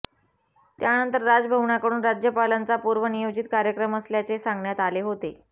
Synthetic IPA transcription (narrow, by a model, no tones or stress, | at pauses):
t̪janənt̪əɾːad͡zbʱəʋɳjakəɽuːnɾad͡ʑjəpalant͡sapuɾʋənijod͡ʑit̪̚kaɾjəkɾəməsljat͡sesãŋɡɳjat̪aleɦot̪e